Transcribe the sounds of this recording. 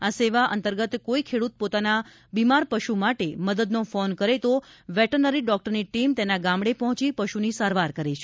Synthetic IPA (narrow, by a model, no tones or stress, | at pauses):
aseʋaʔə̰nt̪əɾɡət̪koikʰeɽut̪̚pot̪ana | bimaɾpəʃumaʈeməd̪əd̪nofonkəɾet̪oʋɛʈəɾnəɾiɖɔk̚ʈəɾniʈimt̪enaɡamɽepɔɦɔ̃t͡ʃipəʃunisaɾʋaɾkəɾeʃe